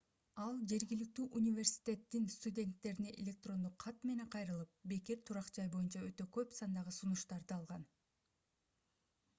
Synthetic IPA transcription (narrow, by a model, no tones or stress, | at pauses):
ɑlˠd͡ʒe̞ɾɡilik̚t̪yːʔunʲivʲe̞rsʲi̥t̪ʲe̞t̪ːinst̪udʲe̞nt̪ːe̞ɾineʔelʲe̞k̚t̪ro̞nd̪uqʰːɑt̪me̞ne̞qʰɑjɾɯlˠɯp̚be̞keɾt̪ʰuɾɑqd͡ʒɑjbo̞junt͡ʃɑø̞t̪ø̞køpsɑnd̪ɑʁɯsunuʃt̪ɑɾd̪ɯɑlˠʁɑn